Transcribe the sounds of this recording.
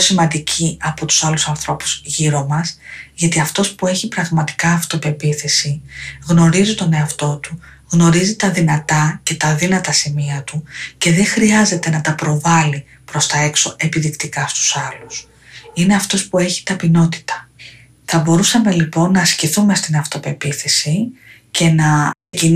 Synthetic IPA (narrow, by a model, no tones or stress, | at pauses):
osimɐnd̪icʰiɐpo̞t̪u̥sɐlusɐnθɾo̞pu̥z̥ʝiɾo̞mɐsʝɐt̪iɐft̪o̞spue̞çipɾɐɣmɐt̪i̥kɐːft̪ope̞piθe̞siɣno̞ɾizit̪o̞ne̞ɐft̪o̞t̪u | ɣno̞ɾizit̪ɐðinɐt̪ɐce̞t̪ɐðinɐt̪ɐsimiɐt̪uce̞ðe̞xɾiɐze̞t̪e̞nɐt̪ɐpɾo̞vɐli | pɾo̞st̪ɐe̞kso̞ʔe̞piðikt̪ikɐst̪u̥sɐlus | ine̞ɐft̪o̞spue̞çi̥t̪ɐpino̞t̪i̥t̪ɐ̥ | θɐbo̞ɾusɐme̞lipo̞nːɐsciθume̞st̪inɐft̪o̞pe̞piθe̞sice̞nɐ | cin